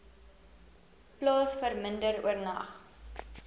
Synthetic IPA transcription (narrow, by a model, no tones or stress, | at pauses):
plɑːsfərməndəɾṵərnɐ̰χ